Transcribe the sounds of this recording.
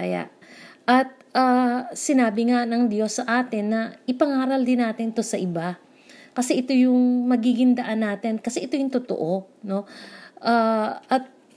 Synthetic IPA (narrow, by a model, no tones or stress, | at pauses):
aja̰ʔɐt̪̚ʔaːsɪnaːbɪŋanɐŋd̪jo̞sːɐʔaːt̪ɪnːɐʔɪpɐŋaːɾɐld̪ɪnːaːt̪ɪnt̪o̞sɐʔɪba | kɐsɛʔɪt̪o̞jʊŋmɐɡiɡɪŋd̪ɐʔanːaːt̪ɪnkɐsɛʔɪt̪ojʊŋt̪ʊt̪o̰ʔo̞no̞ʔaʔɐt̪̚